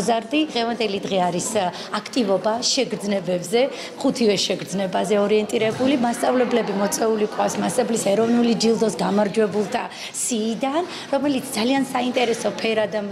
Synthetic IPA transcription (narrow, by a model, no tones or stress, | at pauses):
zaɾd̪id̪̥ʁɛvand̪ɛlid̪ʁɛaɾis | akʰt̪ʼivɔbaʃɛɡɾd̪znɛbɛbzɛ | χut̪ʰivɛʃɛɡɾd̪znɛbazɛɔɾiɛnt̪ʼiɾɛbulimast̪sʼavlɛblɛbimɔt̪sʼɛulikʼwafsmasʼɛblisɛɾɔvnulid͡ʒilˠd̪ɔsɡamaɾd͡ʒwɛbulˠt̪ʰa | siːd̪an | ɾɔmɛlit̪sʰd̪zaliansaint̪ʼɛɾɛsɔpʰɛɾad̪am